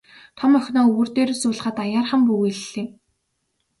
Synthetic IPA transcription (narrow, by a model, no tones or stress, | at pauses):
t̪ʰɔmœxʲnɔːɵwɵ̆rt̪eːɾĕsʊːɮ̆χaːt̪ajaːrχə̆mpuɣiɮːĕː